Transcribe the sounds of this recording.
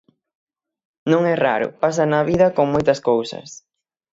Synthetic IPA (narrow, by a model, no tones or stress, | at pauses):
nõŋɛraɾʊ̰pas̬ɐnɐβiðɐkoŋmojt̪ɐskowsɐ̰s